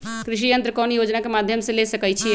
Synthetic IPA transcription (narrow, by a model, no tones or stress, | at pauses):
kɾiʃ̬ijənt̪ɾəkɔnjod͡ʒnakemad̪ʱjəmsẽlesəkɛt͡ʃʰi